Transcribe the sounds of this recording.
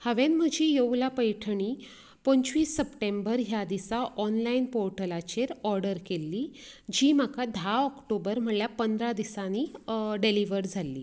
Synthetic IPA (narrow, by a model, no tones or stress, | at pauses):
həʋenm̤əd͡ʑijowlapəjʈʰəɳ̃iː | pəɲt͡ɕʋiːsːəpʈẽmbəɾɦjad̪isaʔɔnlainpoɾʈəlat͡ɕeɾɔɾɖəɾkelːiːd͡ʑiːmakad̪ʱaɔkʈobəɾm̤əɳljapənd̪ɾad̪isaniːɖeliʋəɾd͡zʱalːḭː